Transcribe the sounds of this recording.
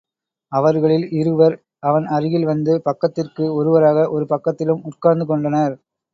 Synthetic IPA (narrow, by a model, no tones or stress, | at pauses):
ɐʋɐɾɣɐɭɪlɪɾɯʋɐɾ | ɐʋɐnɐɾɯɣɪlʋɐnd̪ɯpɐkːɐt̪ːɪrkɯɔɾɯʋɐɾaːɣɐʔɔɾɯpɐkːɐt̪ːɪlɯmʊʈkaːɾnd̪ɯkɔɳɖɐnɐɾ